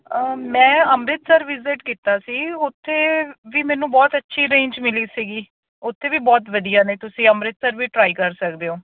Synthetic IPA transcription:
əmɛ̃ːəmɾɪt̪səɾʋɪzɪʈkiːt̪aːsiːʊt̪ʰːeːʋiːmɛ̃ːnũːbɔːt̪ətːʃʰiːɾẽːɲd͡ʒmɪliːsiːɡiː | ʊt̪ʰːeːʋiːbɔːt̪ʋəd̪ijaːneːt̪ʊsĩːəmɾɪt̪səɾʋiːʈɾaːiːkəɾsəkd̪eːõː

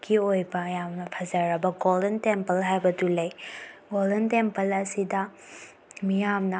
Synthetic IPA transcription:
kiojbɐjamnɐpʰɐzɐɾɐbɐɡolɐntempɐlɦajbɐdulɐjɡoldɐntempɐlɐsidɐ | mijamnɐ

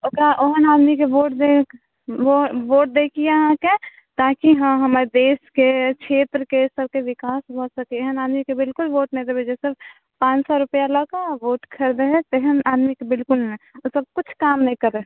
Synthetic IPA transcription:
okaʔoɦənaːd̪mikeʋoːʈ̚d̪e | oʋoːʈ̚d̪ekʰieɦãke | t̪aːkiɦãɦəmaɾed̪eːskekʃʰeːt̪ɾəkesəb̚keʋɪkaːsbʱɔsəkeeɦənaːd̪mikebɪlkʊlʋoːʈ̚nɛɦĩd̪ebed͡ʒɛsɪb | pãːt͡ʃsɔɾʊpəjalɔkaʋoːʈkʰəɾd̪eɦɛ̃t̪eɦənaːd̪mikebɪlkʊlẽosəb̚kʊt͡ʃʰkaːmnəɦĩkəɾe

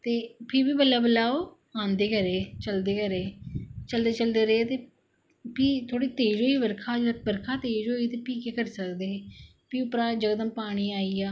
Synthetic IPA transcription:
t̪eːpʰɪɾbiːbəlːaːbəlaːoː | ãːnd̪eːkəɾeːt͡ʃəld̪eːkəɾeːt͡ʃəld̪eːt͡ʃəld̪eːɾəːt̪eː | piːt̪ʰoːɽiːt̪eːd͡ʒɦoːiʋəɾkʰaːd͡ʒbəɾkʰaːt̪eːd͡ʒɦoːiːt̪eːpiːkeːkəɾsəkd̪eː | piːʊpɾaːd͡ʒəɡd̪əmpaːɽ̃iːaːiːaː

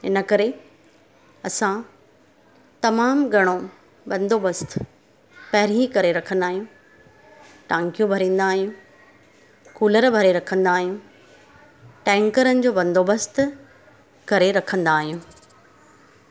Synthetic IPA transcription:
ɪ̰nə̆kɐɾe | ɐsã | t̪ɐmaːmɡʱɐɽ̃o | bɐ̃nd̪ʱoːbɐst̪ | pɐɦɪɾikɐɾeɾɐkʰə̃nd̪aːɦijũ | ʈãːŋkijũbʱɐɾĩːn̆d̪aːɦijũ | kuːləɾbʱɐɾeɾɐkʰə̃nd̪aːɦijũ | ʈɛ̃ːŋkəɾənɪ̆d͡ʑoːbɐ̃nd̪ʱoːbəst̪ | kɐɾeɾɐkʰə̃nd̪aːɦijũː

